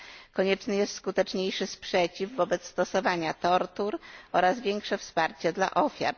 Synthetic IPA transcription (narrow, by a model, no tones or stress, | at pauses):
kɔɲɛt͡ʂnɘjɛst̪skut̪ɛt͡ʂɲejʂɘspʂɛt͡ɕivvːɔbɛt̪st̪ɔsɔvaɲat̪ɔɾt̪uɾɔɾazvʲjɛŋkʂɛfspaɾt͡ɕɛd̪la̰ʔɔfʲja̰ɾ